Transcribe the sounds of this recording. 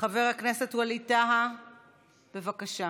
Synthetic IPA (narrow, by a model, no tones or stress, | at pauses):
χaveʁhaknese̞thualitaɦa | be̞vakaʃa